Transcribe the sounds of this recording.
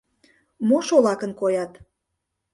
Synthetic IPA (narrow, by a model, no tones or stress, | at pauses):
moʃolɑkənkojɑt̪